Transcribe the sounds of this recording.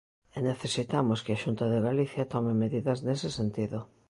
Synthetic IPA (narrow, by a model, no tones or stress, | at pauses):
eneθesit̪amoskeaʃunt̪aðeɣaliθjat̪ɔmɪmeðiðɐznesesent̪iðʊ